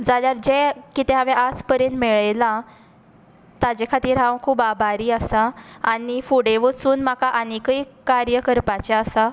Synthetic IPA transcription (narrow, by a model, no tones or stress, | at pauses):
d͡zaljaɾd͡ʑekit̪ẽɦaʋeʔad͡zpəɾẽnmɛɭla | t̪ad͡ʑekʰat̪iːɾɦãwkʰuːbabʱaɾiːəsaanifuɽeʋət͡suːnm̤akaʔanekəjkaɾjəkəɾpat͡ɕeəsa